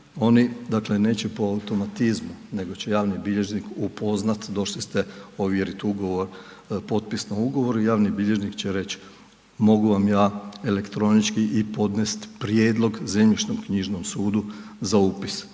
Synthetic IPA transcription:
o̞nid̪akle̞ne̞ːt͡ɕepo̞aut̪o̞mat̪izmune̞ɡot͡ɕejaːʋnibiʎe̞ʒnikupo̞znat̪d̪o̞ʃlist̪eoʋjeɾit̪uɡo̞ʋoɾ | po̞t̪̚pisnauɡo̞ʋo̞ɾijaːʋnibiʎe̞ʒnikt͡ɕeɾe̞t͡ɕ | mo̞ɡuʋamjaːele̞kt̪ɾo̞nit͡ʃkiʔipo̞d̪nest̪pɾjeːd̪lˠo̞ɡzemʎit͡ʃnomkɲiʒnomsuːd̪uzauːpi̥s

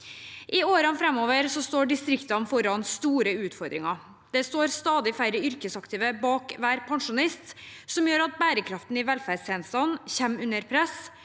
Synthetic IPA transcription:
ʔɪoːɾɑnfɾɛmoːʋəɾsɔst̪oːɖɪst̪ɾɪkt̪ɑnfɔɾɑnst̪uːɾəʉːt̪fɔɾd̪ɾɪŋɑ | d̪̥ɛst̪oːɾst̪ɑːd̪ɪfæɪɾəʏɾkəsɑkt̪ʰiːʋəbɑːkʋæːɾpʰɑŋʂʊnɪst̪ | sɔmjøːɾɑt̪̚bæːɾəkʰɾɑft̪n̩ɪʋɛlfæːɾsɛnst̪ɑnçɛmʉnːəɾpʰɾɛs

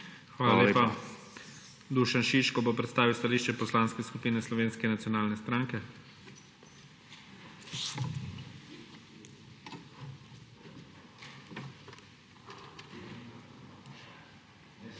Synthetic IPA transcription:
xʋaːlalepa | d̪uʃanʃiʃkɔbopɾɛt̪st̪aːʋiwst̪aliːʃt͡ʃɛpɔslanskɛskupiːnɛslɔʋeːnskɛnat̪sjɔnaːlnɛst̪ɾaːŋkɛ

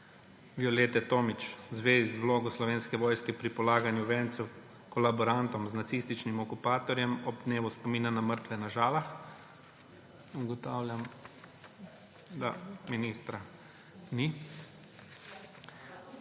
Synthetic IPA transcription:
ʋiɔleːt̪ɛt̪oːmit͡ʃzʋeːzizʋloːɡɔslɔʋeːnskɛʋɔːjskɛpɾipɔlaːɡanjuʋɛːnt̪sɛw | kɔlabɔɾant̪ɔmznat̪siːst̪it͡ʃnimɔkupaːt̪ɔɾjɛmɔb̚d̪neːʋuspɔmiːnanaməɾt̪ʋɛnaʒaːlax | uɡɔt̪aːwlʲjam | d̪a̰miniːst̪ɾa | ni

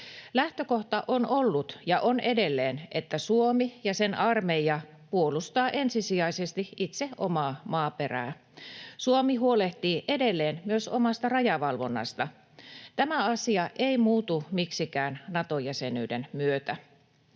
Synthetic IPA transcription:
læht̪øko̞ht̪ɑʔonolːut̪jɑʔone̞de̞lːeːnʔet̪ːæsuomijɑsenʔɑrmejɑ | puolust̪ɑːʔe̞nsisiɑisest̪iʔit̪seʔo̰mɑːmɑːpe̞ræ̰ː | suomiɦuoleht̪iːʔe̞delːeːnmyøsomɑst̪ɑrɑjɑʋɑlʋo̞nːɑ̰st̪ɑ | t̪æmæɑsiɑʔeimuːt̪umiksikæːnnɑt̪ojæsenyːdenmyøt̪æ

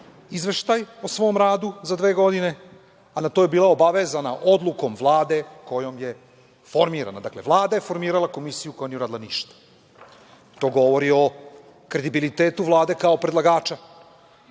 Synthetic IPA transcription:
izʋe̞ʃt̪ajosʋo̞ːmɾaːd̪uzad̪ʋe̞ːɡo̞d̪ine̞ | anat̪ojebiːlˠaobaʋe̞zanaʔo̞d̪lˠuko̞mvlˠaːd̪e̞ko̞jo̞mje̞ | fo̞ɾmiːɾa̰nad̪akle̞ʋlˠaːd̪aje̞fo̞ɾmiːɾalˠako̞misijuko̞janiuɾaːd̪ilaniʃt̪ḁ | t̪o̞ːɡo̞ʋo̞ɾio̞ | kɾe̞d̪ibilit̪eːt̪uʋlˠaːd̪e̞kaopɾe̞d̪lˠaɡaːt͡ʃa

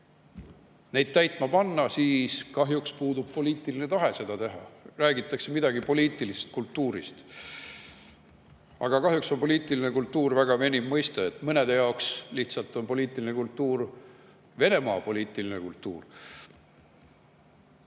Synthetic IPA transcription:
ne̞jd̪̥̚t̪æjt̪mɑpɑnːɑsiːskɑɦjukspuːd̪ub̥̚po̞liːt̪ːˑiline̞t̪ɑɦe̞se̞d̪ɑt̪e̞ɦɑræːɡit̪ːˑɑkse̞mid̪ɑɡipo̞lʲiːt̪ːˑilisest̪̚kult̪ːuːɾḭst̪ | ɑ̰ɡ̥ɑkɑɦjukso̞npo̞liːt̪ːˑilinekult̪ːuːrvæɡ̥ɑve̞nʲimmɤjst̪eet̪ːˑmɤned̪ejɑoksliht̪sɑlt̪ːˑo̞npo̞liːt̪ːˑilinekult̪ːuːr | ve̞ne̞mɑːpo̞liːt̪ːˑilinḛkult̪ˑːuːr

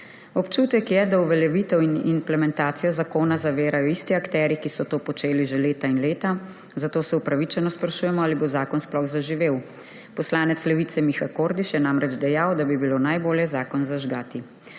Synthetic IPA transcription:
ɔpt͡ʃuːt̪ɛkjɛd̪auʋɛljɛʋit̪ɛwinimplɛmɛnt̪aːt̪sijɔzakoːnazaʋeːɾajɔist̪iakt̪ɛːɾikisɔt̪oːpɔt͡ʃeːliʒeleːt̪ainleːt̪a | zat̪oːsɛwpɾaʋit͡ʃɛnɔspɾaʃuːjɛmɔaːlibozaːkɔnsplɔxzaʒiʋeːw | pɔslaːnɛt̪slɛʋit̪sɛmixakoːɾd̪iʃjɛnamɾɛd͡ʒd̪ɛjawd̪abibiloːnajboːljɛzaːkɔnzaʒɡaːt̪i

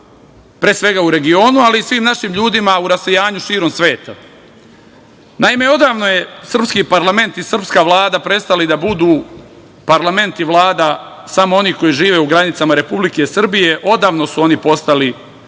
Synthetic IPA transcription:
pɾeːsʋe̞ɡauɾe̞ɡio̞ːnualiːsʋiːmnaʃiːmʎuːd̪imauɾasejaːɲuʃiːɾo̞msʋe̞ːt̪a̰ | naime̞o̞d̪aːʋno̞je̞sr̩pskipaɾlˠame̞nt̪isr̩pskaːʋlˠaːd̪apɾe̞st̪alid̪abud̪uː | paɾlˠame̞nt̪iʋlˠaːd̪a | samoo̞niko̞jiʒiːʋeuɡɾanit̪samaɾe̞publike̞sr̩bije̞ʔo̞d̪aːʋno̞suo̞nipo̞st̪ali

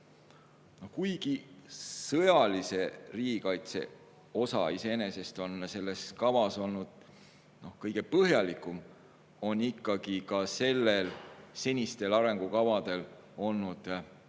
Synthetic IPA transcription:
no̞hkujɡ̥isɤjɑlise̞riːɡ̥ikɑjt̪se̞̰ | o̞sɑ̰ise̞ene̞se̞st̪o̞nse̞lːe̞skɑvɑso̞lnud̪̥̚ | no̞hkɤjɡ̥e̞pɤɦjɑlikːˑum | o̞nikˑːɑɡ̥ikɑse̞lːe̞lse̞nʲist̪e̞lɑɾe̞ŋɡ̥ukɑvɑd̪̥e̞l | o̞lnud̪̥

